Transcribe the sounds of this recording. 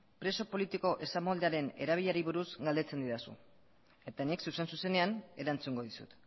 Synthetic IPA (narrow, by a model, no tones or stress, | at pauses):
pɾe̞so̞po̞lit̪iko̞ʔe̞samold̪eaɾe̞ne̞̰ɾaβ̞iʎaɾiβ̞uɾuzɡald̪e̞t͡se̞nd̪iðasṵ | e̞t̪anieksuse̞nsuse̞ne̞ane̞ɾant͡suŋɡo̞ðisṵt̪